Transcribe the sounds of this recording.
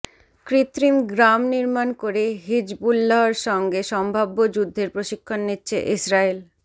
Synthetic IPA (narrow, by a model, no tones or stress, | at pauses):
kɾit̪ɾimɡɾamniɾmankoɾeɦid͡ʑbulːaɦaɾʃɔŋɡeʃɔmbʱabːod͡ʑud̪ʱːeɾpɾoʃikʰːonːitːɕʰḛʔisɾael